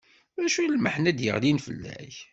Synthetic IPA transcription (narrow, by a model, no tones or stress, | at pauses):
mæʃujlməħnæd̪jə̰ʁlinfə̰lːæ̰ç